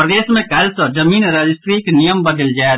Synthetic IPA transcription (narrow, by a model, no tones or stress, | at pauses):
pɾəd̪eːsmẽkɛːlsəd͡ʒɐmiːnɾəd͡ʒɪsʈɾiːknijəmbəd̪əld͡ʒae